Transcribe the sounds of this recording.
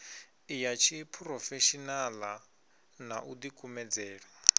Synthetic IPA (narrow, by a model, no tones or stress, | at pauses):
ijat͡ʃʰipʰrɔfɛʃinala | naʔudikʼumɛd͡zɛːɺɔ